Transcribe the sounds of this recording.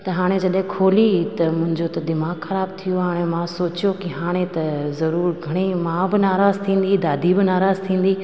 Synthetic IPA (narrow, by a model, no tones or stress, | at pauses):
t̪ɐɦaːɽ̃ẽd͡ʑɐɗɦɪ̃kʰoːlit̪ɐmʊ̃ɦɪ̃ɲd͡ʑot̪ɐd̪ɪmaːɡxɐɾaːb̚t̪ʰijoɦaːɽ̃emãsoːt͡ɕijokiɦaːɽ̃et̪ɐzɐɾuːɾɡʱɐɽ̃imãbɪnaːɾaːzt̪ʰĩːn̆d̪id̪aːd̪ʱibɪnaːɾaːz̥t̪ʰĩːn̆d̪i